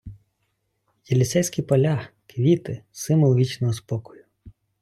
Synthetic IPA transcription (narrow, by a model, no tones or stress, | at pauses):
jɛlʲisɛjsʲkʲijpɐlʲakʋʲit̪ɪsɪmɔlˠʋʲit͡ʃnɔɦɔspɔkɔjʊ